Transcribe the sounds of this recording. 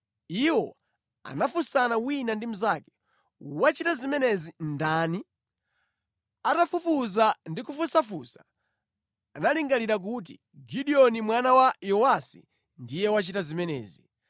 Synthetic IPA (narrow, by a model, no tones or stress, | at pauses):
iwɔ | a̰nafusanawinandim̩zakɛ̥ | wat͡ʃitazimɛnɛzindaːni | atafufuzandikufusafusaː | naliŋɡaliɾak̬ut̬ḭ | ɡiɗiɔnimwanawajɔwasḭ | ndijɛwat͡ʃitazimɛnɛ̰ːzi